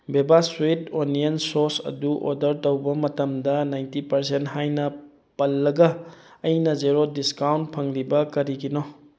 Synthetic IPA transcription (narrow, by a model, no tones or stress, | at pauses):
bebaswitoniensoɾsɐ̰duʔo̰dɐɾtɐwbɐmɐtɐmdɐnajntipɐɾsentɦajnɐ | pɐlːɐɡɐː | jnɐzeɾodiskawnt̚pʰɐŋɾibɐkɐɾiɡinɔ